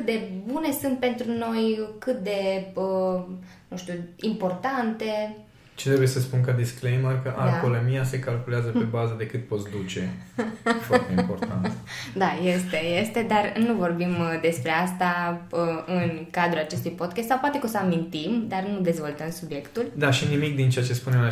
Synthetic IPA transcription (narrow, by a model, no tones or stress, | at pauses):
ɨt̪̚d̪e̞bune̞sunt̪̚pe̞nt̪ɾuno̞jkɨt̪̚d̪e̞ə | nũʃt̪uimpo̞rt̪ant̪e̞ | t͡ʃe̥t̪ɾebujesəspunkad̪isklejmərkəʔa̰polemiase̞kalkuleazəpe̞bazəd̪e̞kɨt̪̚po̞t̪sd̪ut͡ʃe̞afoart̪eimpo̞rt̪a̰nd̪ajest̪e̞jest̪e̞d̪arnuvo̞rbimd̪e̞spɾe̞ast̪aəɨnkad̪ɾulat͡ʃe̞st̪ujpo̞t̪kʲast̪sawpoat̪e̞kosəamint̪imd̪arnud̪e̞zvo̞lt̪əmsubje̞kt̪uld̪aʃinimik̚d̪int͡ʃeat͡ʃe̞spunema